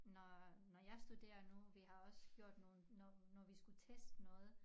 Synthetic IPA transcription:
nɒnɒjɑ̈ɪsd̥ud̥e̝̰ːɐnuʋiɦɑ̈ɒ̽sɡ̥jo̝ɐ̰d̥no̝ːnɔnɒʋisɡ̥ut͡sʰesd̥nɔ̽ːð̩ˠ

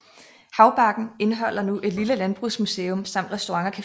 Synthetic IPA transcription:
hɑ̈ʊb̥ɑ̈ɡ̥n̩e̝nəɦɒ̽l̰ɐnuʔe̝d̥liləlænb̥ʁusmuse̝ːɔ̽msɑ̈m̰d̥ʁɛsd̥o̝ʁɑ̈ŋɐkʰæ

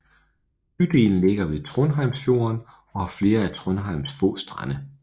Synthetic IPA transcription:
yd̥e̝̰ːln̩le̝ɡ̥ɐʋe̝ðt͡sʰʁɔnɦɑ̈ɪmsfjo̝̰ɐn | ɒ̽hɑ̈fle̝ːɐæt͡sʰʁɔnɦɑ̈ɪ̰msfɔ̰ːsd̥ʁanə

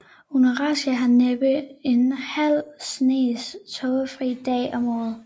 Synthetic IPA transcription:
unəʁɑ̈sæɦɑneb̥əe̝nhæl̰sne̝̰ːst͡sʰɔʊəfʁḭd̥ɛ̰ːɒ̽mɔ̰ːð̩ˠ

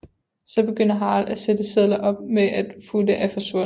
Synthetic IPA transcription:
sɒ̽b̥e̝ɡ̥øn̰ɐɦɑ̈ːlæsed̥əseðˠlˠɐʔɒ̽b̥̚meʔæd̥fuləʔæfɒ̽sʋɔ

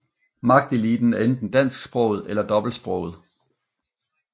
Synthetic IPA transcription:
mɑ̈ɡ̥̚d̥ilid̥n̩æɐend̥n̩d̥æn̰sɡ̥sb̥ʁɔ̽ʊð̞̩ˠelɐd̥ɒ̽b̥l̩sb̥ʁɔ̽ʊð̞̩ˠ

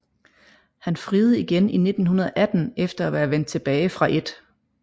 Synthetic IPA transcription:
hænfʁiːð̩ˠiɡ̥enine̝d̥n̩ɦunɐð̞ˠɐʔæd̥n̩efd̥ɐæʋæːɐʋen̰d̥̚t͡sʰe̝b̥ɛːɪfʁɑ̈ʔe̝d̥

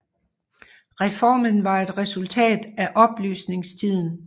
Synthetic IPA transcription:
ʁɛfɒ̰ːmənʋɑ̈e̝d̥ʁɛsult͡sʰɛ̰ːd̥æʔɒ̽b̥ly̰ːsne̝ŋst͡sʰið̞̰ˠn̩

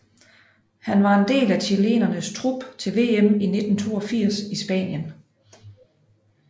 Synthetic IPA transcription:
hænʋɑ̈e̝nd̥e̝̰ːlæt͡ɕʰile̝̰ːnɐnəst͡sʰʁub̥t͡sʰe̝lʋe̝̰ːemine̝d̥n̩t͡sʰo̝̰ːɒfiɐ̰sisb̥ɛ̰ːnjən

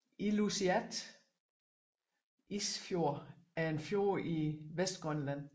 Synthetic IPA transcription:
ilusiæd̥ | isfjo̝ɐ̰æɐe̝nfjo̝ːɐiʋesd̥̚ɡ̥ʁœnlæn̰

